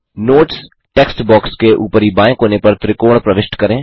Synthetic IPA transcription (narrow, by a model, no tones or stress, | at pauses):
noːʈs | ʈeːksʈbɔːkskeʔuːpəɾibãːẽkɦoːnepɐɾt̪ɾɪkoːɽ̃pɾɐʋɪʃʈkɐɾẽː